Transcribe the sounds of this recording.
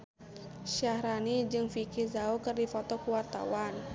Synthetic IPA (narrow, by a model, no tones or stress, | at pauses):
ʃahɾanid͡ʒɨŋfikizaokɨrdifɔt̪ɔkuwart̪a̰wan